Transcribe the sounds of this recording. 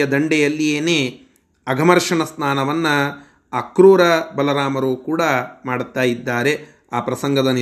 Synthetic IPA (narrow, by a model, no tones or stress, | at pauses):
ɐd̪ɐɳɖɛjɐlːijeːneː | ɐɡʱɐmɐɾʂɐɳɐsnaːnɐʋɐnːɐː | kɾuːɾɐbɐlɐɾaːmɐɾukuːɽɐmaːɽt̪ːaːjid̪ːaːɾe̞ | aːpɾɐsɐŋɡʱɐd̪ɐn